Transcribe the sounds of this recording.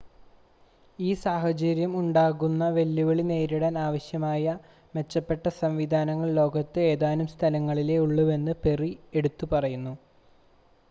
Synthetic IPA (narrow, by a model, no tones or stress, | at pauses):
iːsaːɦɐt͡ɕɐɾjɐmuɳɖaːɣunːɐʋe̞lːuʋɐɭine̞ːɾiɽɐnaːʋɐɕjɐmaːjɐ | me̞t͡ɕːɐpːe̞ʈːɐsɐɱʋid̪ʱaːnɐŋːɐɭlo̞ːɡɐt̪ːɨe̞ːðaːnumst̪ʰɐlɐŋːɐɭile̞uɭːuʋe̞nːɨpe̞rie̞ɽut̪ːupɐrɐjunːu